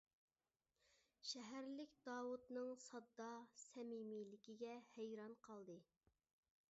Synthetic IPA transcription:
ʃɛɦæɾlɪkʲd̪ɑːwut̪nɨŋsɑd̪ːɑsɛmimilɪkʲiɡʲɛhæjɾɑnqʰɑlˠd̪ɨ

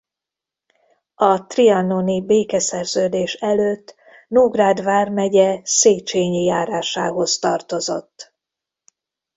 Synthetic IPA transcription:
ɒt̪riɒnonibeːkɛsɛrzøːd̪eːʃɛløːt̪ː | nuɡraːd̪vaːrmɛɟɛseːt͡ʃeːɲijaːɾaːʃaːɦo̞st̪ɒrt̪o̞zo̞̰t̪ː

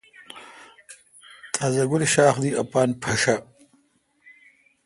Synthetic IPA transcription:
t̪ʰaːzaɡʊliʃaːxd̪iapɑːnpʰɐʂa

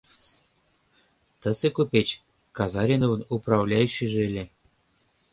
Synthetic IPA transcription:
t̪ɤ̆sĕkupʲet͡ɕ | kɑzɑɾʲinovɤ̆nuprɑvlʲɑjyɕːɘ̆ʒelʲĕ

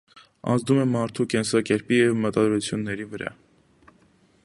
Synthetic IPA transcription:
ɑ̰nd͡zd̪umɛmɑɾt̪ʰukɛnsɑkɛɾpijɛvmət̪ɑd̪ɾut͡sʰjunːɛɾivəɾɑ̰

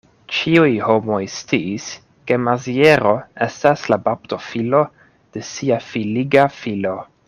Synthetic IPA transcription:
t͡ʃiujho̞mo̞jst͡siːs | ke̞mazieɾo̞e̞staslabapto̞filo̞ | d̥e̞siafiliɡafilo̞

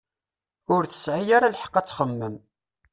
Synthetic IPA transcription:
ʊɾθə̥sʕijaɾalħə̥qːɑt͡sːχəmːəm

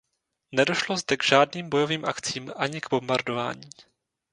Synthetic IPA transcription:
nɛdo̞ʃlozdɛɡʒ̥aːdniːmbo̞jo̞viːmʔakt͡siːmʔaɲɪɡbo̞mbaɾdo̞va̰ːɲiː

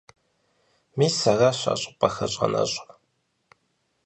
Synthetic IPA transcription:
miːsaʁaɕʷa̰ɕʼɪpʼɐxɐɕʼɐ̰nɐ̰ɕʷʼ

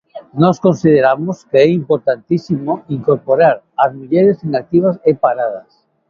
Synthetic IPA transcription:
nɔskõnsið̞eɾamoskeɛimpoɾt̪ant̪isimoiŋkoɾpoɾaɾ | azmuʎɛɾesinak̚t̪iβ̞asepaɾað̞as

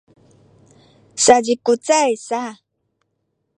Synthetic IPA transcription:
sad͡ʒikʊt͡sajsa

